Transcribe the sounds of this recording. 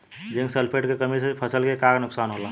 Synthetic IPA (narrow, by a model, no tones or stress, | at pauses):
d͡ʒẽŋksəlpʰeʈkekəmisepʰəsəlkekaɡnʊksanɦola